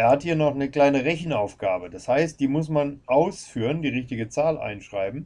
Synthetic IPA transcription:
ʔeːɐhathiːɐnɔχnəkl̥aɪnəʁɛçn̩aʊfɡ̥aːbədashaɪst̚d̥iːmʊsmanʔaʊsfyːʁəndiːʁɪçtɪɡət͡saːlʔa̰ɪnʃʁ̥aɪbm̩

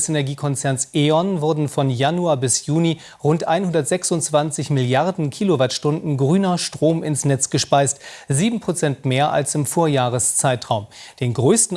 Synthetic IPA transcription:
senɛɐɡiːkʰɔnt͡sɛɐnsʔeːɔnvʊɐdn̩fɔnjanuaːbɪsjuːni | ʁʊntʔa̰ɪnhʊndɐtz̥ɛksʊntt͡sv̥ant͡sɪçmɪljaʁdn̩kʰiːlovaɐtʃtʊndn̩ɡʁyːnɐʃtʁ̥oːmɪnsnɛt͡sɡ̥əʃpaɪstziːbm̩pʁ̥ot͡sɛntmeːɐʔa̰lsɪmfoːɐjaːʁ̞əst͡saɪtʁ̥aʊmd̥eːnɡʁøːstn̩

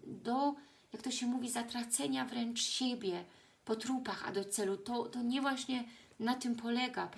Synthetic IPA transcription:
d̪ɔ | jakt̪ɔɕɛmuvʲizat̪ɾat̪sɛɲavɾɛnt͡ʂɕebʲjɛ | pɔt̪ɾupaxa̰d̪ɔt̪sɛlut̪ɔt̪ɔɲɛvwaɕɲɛnat̪ɘmpʰɔlɛɡa

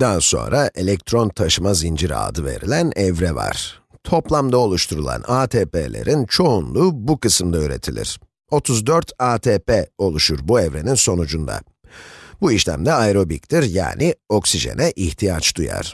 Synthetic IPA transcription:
d̪anso̞̰nɾaʔe̞lʲɛk̚t̪ʰɾo̞nt̪ʰaʃɯmazind͡ʒiɾa̰ːd̪ɯve̞̰ɾilʲænɛvɾɛva̰ɾ̥t̪ʰo̞plˠamd̪ao̞lˠuʃt̪ʰuɾulˠa̰naːt̪ʰeːpḛːlʲe̞̰ɾʔint͡ʃʰo̞unlˠuːbukɯsɯmd̪aøːɾe̞̰t̪ʰilʲḭɾ̥ | o̞t̪ʰuzd̪øɾt̪ʰaːt̪ʰeːpeo̞lˠuʃuɾbuɛvɾe̞ninso̞nud͡ʒund̪a̰ | buiʃlʲæ̰md̪ɛajɾo̞bik̚t̪ʰiɾja̰ːnʔio̞ksiʒe̞̰nɛʔiçt̪ʰijat͡ʃd̪uja̰ɾ̥

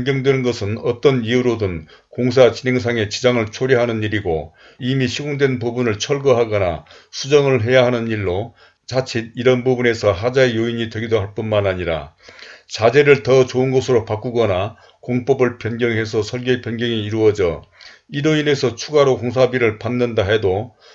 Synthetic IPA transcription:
jnɡjʌŋdwe̞nɯnɡʌsʰɯnʌt͈ʌniuɾodɯn | koŋs̬ʰat͡ɕine̞ŋs̬ʰaŋe̞t͡ɕid͡ʑaŋɯɭt͡ɕʰoɾiɦanɯniɾiɡo̰ | imiɕʰiɡoŋdwe̞npubunɯɭt͡ɕʰʌɭɡʌɦaɡʌna̰ | sʰud͡ʑʌŋɯɭɦe̞jaɦanɯniɭːo | t͡ɕat͡ɕʰediɾʌnbubune̞sʰʌɦad͡ʑaejoiɲitwe̞ɡidoɦaɭp͈unmanaɲiɾa̰t͡ɕad͡ʑe̞ɾɯɭtʌt͡ɕoɯnɡʌsʰɯɾopak͈uɡʌna | koŋp͈ʌbɯɭpjʌnɡjʌŋɦe̞sʰʌsʰʌɭɡepjʌnɡjʌŋiːɾuʌd͡ʑʌ | iɾoine̞sʰʌt͡ɕʰuɡaɾokoŋs̬ʰabiɾɯɭpanːɯndaɦe̞do

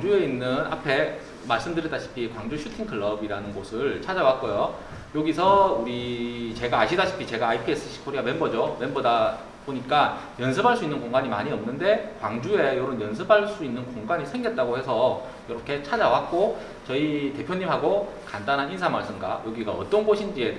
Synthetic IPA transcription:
d͡ʑue̞inːɯna̰pʰe̞ | maɭs͈ɯmdɯɾidaɕʰi̥pʰikwaŋd͡ʑuɕʰutʰiŋkʰɯɭːʌbiɾanɯnɡosʰɯɭt͡ɕʰad͡ʑawak͈̚ojo | joɡisʰʌuɾit͡ɕe̞ɡaːɕʰidaɕʰi̥pʰit͡ɕe̞ɡaːipʰie̞s͈ʰɯ̥ɕʰi̥kʰoɾiɡamenbʌd͡ʑome̞nbʌda | b̥oɲik͈ajʌnsʰɯbʱaɭs͈uinːɯnkoŋɡaɲima̰ɲiʌmnɯnde̞kwaŋd͡ʑue̞joɾonjʌnsʰɯbʱaɭs͈uinːɯnkoŋɡaɲisʰe̞ŋɡet̚t͈aɡohe̞sʰʌ | jʌɾʌkʰe̞t͡ɕʰad͡ʑawak̚k͈o | t͡ɕʌite̞pʰjoɲːimɦaɡokandanɦaninsʰamaɭs͈ɯmɡa̰joɡiɡaʌ̰t͈ʌnɡoɕʰind͡ʑie̞

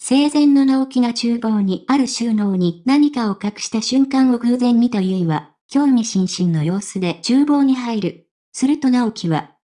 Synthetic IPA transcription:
se̞ːzẽ̞nːo̞nao̞kʲinat͡ɕɨːbo̞ːɲ̟iaɾɯ̟ɕɨːno̞ːɲ̟inaɲ̟ikao̞kakɯ̟̥ɕi̥t̪aɕɨ̃ŋkãɰ̃o̞ɡɯ̟ːzẽ̞ɲ̟ːit̪ajɯiβa | kʲo̞ːmʲiɕĩɰ̃ɕĩnːo̞jo̞ːsɨd̪e̞t͡ɕɨːbo̞ːɲ̟iɦaiɾɯ̟ | sɨɾɯ̟t̪o̞nao̞kʲʰiβa̰

